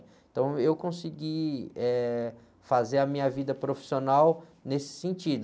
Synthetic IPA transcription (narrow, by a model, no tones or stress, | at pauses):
t̪ɐ̃w̃ewkõsiɡiɛ | fazeɾɐmĩɲɐvid̪ɐpɾofi̥sionawnesɪ̥sẽnt͡ʃid̪ʊ